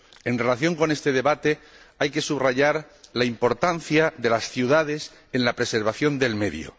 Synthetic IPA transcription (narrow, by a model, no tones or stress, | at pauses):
e̞nre̞laθjo̞ŋko̞ne̞st̪e̞ð̞e̞βat̪e̞ | ajke̞suβraʝaɾlaimpo̞ɾt̪anθjaðe̞lasθjuðaðe̞s | e̞nlapɾe̞se̞ɾβaθjo̞nd̪e̞lme̞ðjo̰